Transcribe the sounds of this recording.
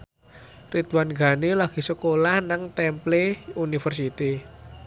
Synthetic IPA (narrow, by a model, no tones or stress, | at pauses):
rit̪wanɡa̤nilaɡ̥i̤səkolahnaŋt̪ɛmpleunifərsit̪i